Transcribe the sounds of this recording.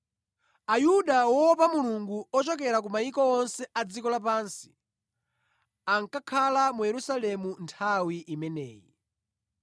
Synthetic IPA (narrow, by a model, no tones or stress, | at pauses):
ajuɗawɔp̬amuluŋɡuɔt͡ʃɔk̬ɛɾak̬umaikɔɔnsɛʔad͡zikɔlapaːnsi̥ | aŋkakʰalamujɛɾusalɛmuntʰawiʔimɛnɛ̰ːjḭ